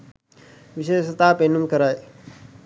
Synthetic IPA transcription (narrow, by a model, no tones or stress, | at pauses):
ʋɪʃeːət̪aːpeːnumkəɾaːe